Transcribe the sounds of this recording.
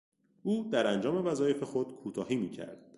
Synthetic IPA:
ʔuːd̪æɾænd͡ʒɒːme̞væzɒːje̞fe̞xod̪̥kʰuːt̪ʰɒːhiːmiːcʰæ̰ɾd̪̥̚

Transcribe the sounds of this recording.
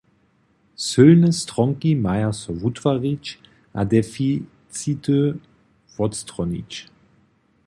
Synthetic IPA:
sɵlnəstʁɔŋkimajasɔvutvaʁit͡ɕ | ʔa̰dɛfi | t͡sit̪ə | vɔtst̪ʁɔnḭt͡ɕ

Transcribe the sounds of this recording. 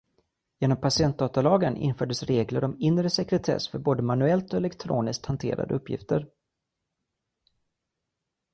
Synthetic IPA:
jeːnɔmpʰasɪɛnt̪̚d̪ɑːt̪alɑːɡənʔɪ̰nfœːɖəsɾeːɡləɾɔmɪnɾəsɛkɾɛt̪ʰɛ̰sfœɾboːd̪əmanɵɛlt̪ɔɛlɛkt̪ʰɾo̰ːnɪsk̚t̪hant̪ʰḛːɾa̰d̪əɵpʰːjɪ̰ft̪əɾ

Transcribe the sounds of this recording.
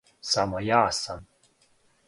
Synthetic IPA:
samajaːsan

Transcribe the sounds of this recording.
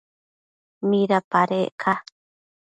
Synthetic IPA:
miɾapaɾeʔkʰa

